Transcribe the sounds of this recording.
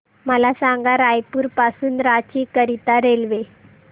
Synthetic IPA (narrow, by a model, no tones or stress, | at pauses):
məlasaŋɡaɾajpuːɾpasuːnɾat͡ɕiːkəɾit̪aɾelʋe